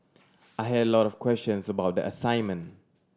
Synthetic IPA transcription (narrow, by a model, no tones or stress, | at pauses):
ʔaɪɦɛdəlɔtɔfkʰwɛst͡ʃə̃nsəbawt̚dḭʔəsãɪ̃nmə̃n